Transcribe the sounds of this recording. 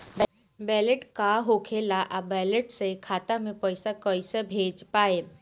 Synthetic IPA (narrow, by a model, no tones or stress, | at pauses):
b | bɛːleʈkaɦoːkʰeːlaʔabɛːleʈsekʰaːt̪amẽpəɪsakəisebʱeːd͡ʒpaːe